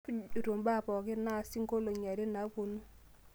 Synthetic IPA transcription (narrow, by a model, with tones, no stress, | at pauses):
o˨to˨mba˦˨pɔ˨kɪ˦na˦˨si˦ŋko˦lo˨ɲa˨ɾe˦na˨˦po˨nu˦